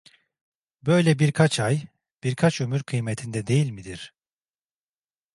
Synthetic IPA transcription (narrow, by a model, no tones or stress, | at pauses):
bø̞jlʲɛbiɾkʰat͡ʃʰaj | b̥iɾkʰat͡ʃømyɾkʰɯjmet̪ʰind̪ɛd̪e̞jilʲmid̪iɾ̥